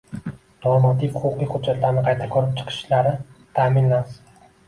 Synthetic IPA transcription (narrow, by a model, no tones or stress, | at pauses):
d̪̥omɑt̪ʰikʲhʊʊqːɨjχʊd̪d͡ʒat̪laɾnɪqʰɑjt̪ʰakʲʰɵɾɪp̚t͡ʃʰɨ̥qʰɨ̥ʃlaɾɪt̪ʰamɪnlas